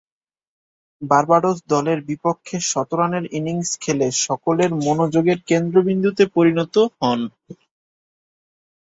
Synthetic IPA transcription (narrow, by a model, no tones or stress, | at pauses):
baɾbaɖod͡ʑd̪ɔleɾbipokʰːeʃɔt̪oɾaneɾiniŋskʰeleʃɔkoleɾmonod͡ʑoɡeɾkend̪ɾobind̪ʱut̪epoɾinɔt̪oɦɔn